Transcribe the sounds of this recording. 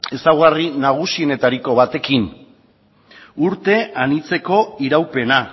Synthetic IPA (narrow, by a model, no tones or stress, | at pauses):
e̞sawɣarinaɣ̞usie̞ne̞t̪aɾiko̞βat̪e̞kin | uɾt̪e̞anit͡se̞ko̞iɾawpe̞na